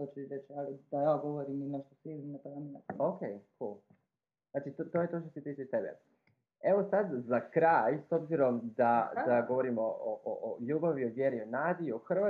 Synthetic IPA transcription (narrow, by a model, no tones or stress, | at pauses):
ot͡ʃiɾet͡ʃalid̪ajaɡoʋoɾiminɛʃt̪osiizninat̪aaninaokejkul | z̥naːt͡ʃit̪ot̪oːje̞t̪o̞ːʃt̪oset̪it͡ʃit̪ebḛ | e̞ʋo̞sad̪zakɾajsobziɾo̞md̪ad̪aɡoʋo̞ɾimooʔoʔoʎuːbaʋioʋje̞ɾionaːd̪iioxrʋa